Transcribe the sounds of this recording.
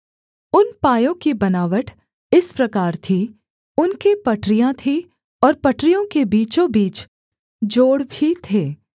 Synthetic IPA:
ʊnpaːjõkibɐnaːʋəʈʰ | ɪspɾɐkaːɾt̪ʰi | ʊnkepɐʈʰɾijãt̪ʰi | ɔːɾpɐʈɾijõkebiːt͡ʃõbiːt͡ʃ | d͡ʒoːɽbʱit̪ʰeː

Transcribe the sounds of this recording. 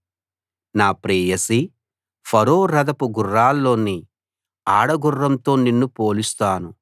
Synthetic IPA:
naːpɾɛːjɐsi | pʰɐɾoːɾɐd̪ɐpuɡurːaːlːo̞ːni | aːɽɐɡurːɐmt̪o̞ːninːupoːlust̪aːnu

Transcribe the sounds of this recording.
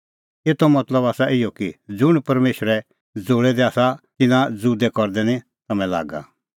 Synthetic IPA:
eːt̪ʰomɐt̪ləbaːsaʔɪjɔkid͡zʊɽ̃pɐɾmeːʃəɾɛ | d͡zoːɽɛd̪ɛaːsat̪ɪnãd͡zuːd̪ɛkɔɾd̪ɛnĩ | t̪ɐmɛ̃la̰ːɡa̰

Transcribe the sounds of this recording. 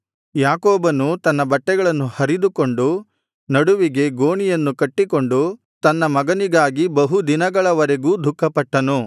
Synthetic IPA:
jaːkoːbɐnut̪ɐnːɐbɐʈːɛɡɐɭɐnːuhɐɾid̪uko̞ɳɖu | nɐɽuʋiɡe̞ɡoːɳijɐnːukɐʈːiko̞ɳɖu | t̪ɐnːɐmɐɡɐniɡaːɡibɐɦud̪inɐɡɐɭɐʋɐɾeɡuːd̪ʱukːɐpɐʈːɐnu

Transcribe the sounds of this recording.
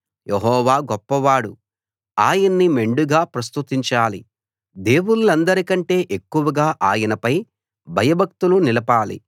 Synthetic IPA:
jʔeɦɔːʋaːɡɔpːɐʋaːɽu | aːjɐnːime̞ɳɖuɡaːpɾɐst̪ut̪iɲt͡ʃaːlḭ | d̪e̞ːwunulɐnd̪ɐɾikɐɳʈe̞ːʔe̞kːuʋɐɡaːʔaːjɐnɐpɐj | bʱɐjɐbʱɐk̚t̪ulunilɐpaːlḭ

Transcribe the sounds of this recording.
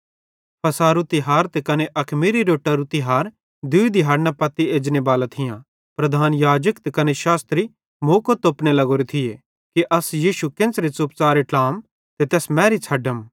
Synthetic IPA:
pʰɐsaːɾut̪iɦaːɾt̪ekɐneʔɐkʰmiːɾiɾoːʈɐɾut̪iɦaːɾ | d̪uid̪iɦaːɾnapɐt̪ieːd͡ʒnebaːlat̪ʰɪjã | pɾɐd̪ʱaːnjaːd͡ʒəkt̪kɐneʃaːst̪ɾi | moːkot̪oːpnelɐɡoːɾit̪ʰɪje | kiʔɐsjiːʃukɪ̃nsɾet͡sup̚t͡saːɾeʈãːm | t̪et̪ɛːsmɛ̃ːɾit͡sʰɐɖəm

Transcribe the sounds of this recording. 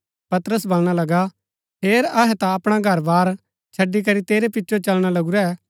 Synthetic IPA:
pɐt̪ɾəsbɐlɽ̃alɐɡa | pʰeːɾɐɦɛt̪aɐpɽ̃aɡʱɐɾbaːɾ | t͡ʃʰɐɖːik̬ɐɾit̪eːɾepɪtːt͡ʃot͡ʃɐlɽ̃alɐɡuɾɛ

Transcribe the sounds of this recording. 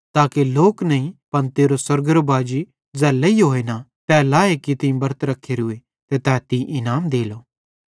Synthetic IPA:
t̪aːkeloːknɐĩpɐnt̪eːɾosɐɾɡəɾbaːd͡ʒi | d͡zɛːlːeiɦoːenatɛːlaekit̪ɪ̃ĩbɐɾət̪ɾɐkʰːeːɾɦʊe | t̪et̪ɛːt̪ĩʔɪnaːmd̪eːloː

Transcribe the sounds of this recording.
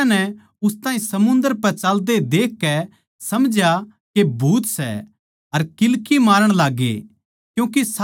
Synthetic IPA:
anɛ | ʊst̪ãːɦĩsɐmʊ̃nd̪əɾpɛt͡ʃaːld̪ed̪eːkːɛ | sɐmd͡ʒja | kebʱuːt̪sɛ̰ | ɐɾkɪlkimaːɾəɽ̃laːɡḛ | kjũːkes

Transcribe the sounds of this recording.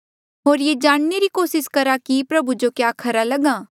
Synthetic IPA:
ɦoːɾjeːd͡ʒaːɽ̃neɾikoːsɪskɐɾakipɾɐbud͡ʒokjaːkʰɐɾalɐɡãː

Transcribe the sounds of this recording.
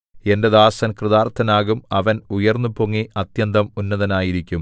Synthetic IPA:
e̞nde̞ðaːsɐnkrɨðaːrt̪ʰɐnaːɣumɐʋɐnujɐrnːupoŋːiʔɐt̪jɐnd̪ɐmunːɐðɐnaːjiɾikʲːum

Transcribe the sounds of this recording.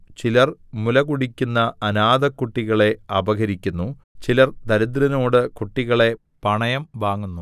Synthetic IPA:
t͡ɕilɐrmulɐkuɽikʲːunːɐɐnaːd̪ɐkːuʈːiɣɐɭe̞ɐbɐɡɐɾikʲːunːu | t͡ɕilɐrd̪ɐɾɐd̪ɾɐno̞ːɽɨkuʈːiɣɐɭe̞ | pɐɳɐjɐmʋaːŋːunːu

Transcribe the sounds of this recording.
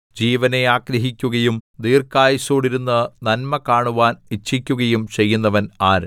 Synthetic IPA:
d͡ʑiːʋɐne̞aːɡɾɐɦikʲːuɣɐjumd̪iːrkaːjisoːɽiɾunːɐnɐnmɐkaːɳuʋaːnit͡ɕʰːikʲːuɣɐjumt͡ɕe̞jːunːɐʋɐnaːɾ

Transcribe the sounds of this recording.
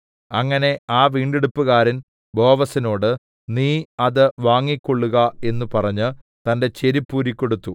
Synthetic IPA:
ɐŋːɐne̞aːʋiːɳɖeɽupːuɣaːɾin | bo̞ːʋɐsino̞ːɽɨ | niːɐðɨʋaːŋːikʲːo̞ɭːuɣɐe̞nːupɐrɐɲːɨ | t̪ɐnde̞t͡ɕe̞ɾipːuːɾikʲːo̞ɽut̪ːu

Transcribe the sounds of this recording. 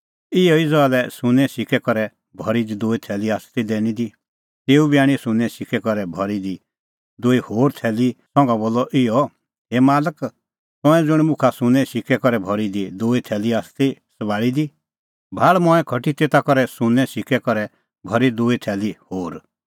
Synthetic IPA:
ɪjɔid͡zɔalɛsʊnɛ̃ʃɪkɛkɔɾɛ | bʱɔɾid̪id̪oːit̪ʰɛːliaːst̪id̪ɛːnid̪i | t̪eːubiaːɽ̃ĩsʊ̃nɛ̃ʃɪkɛkɔɾɛbʱɔɾid̪i | d̪oːihoːɾt̪ʰɛːlisɔ̃ŋɡaboːlːɔʔɪjɔ | ɦemaːlək | t̪ɔ̃ɛ̃d͡zʊɽ̃mʊ̃kʰasʊnɛ̃ʃɪkɛkɔɾɛbʱɔɾid̪id̪oːit̪ʰɛːliaːst̪isəbaːɭid̪i | bʱaːɭmɔ̃ːɛ̃kʰɔʈit̪eːt̪akɔɾɛsʊnɛ̃ʃɪkɛkɔɾɛ | bʱɔɾid̪oːit̪ʰɛːlihoːɾ

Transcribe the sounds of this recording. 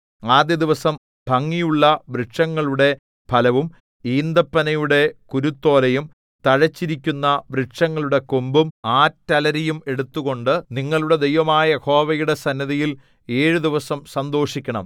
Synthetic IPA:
aːd̪jɐd̪iʋɐsɐm | bʱɐŋːijuɭːɐʋriʈʂɐŋːɐɭuɽe̞ | pʰɐlɐʋum | iːnd̪ɐpːɐnɐjuɽe̞kuɾut̪ːo̞ːlɐjum | t̪ɐɻɐt͡ɕːiɾikʲːunːɐʋriʈʂɐŋːɐɭuɽe̞kombumaːtːɐlɐɾejume̞ɽut̪ːuɣo̞ɳɖɨniŋːɐɭuɽe̞d̪e̞jʋɐmaːjɐho̞ːʋɐjuɽe̞sɐnːɐðijil | e̞ːɻud̪iʋɐsɐmsɐnd̪o̞ːʂikʲːɐɳɐ̰m

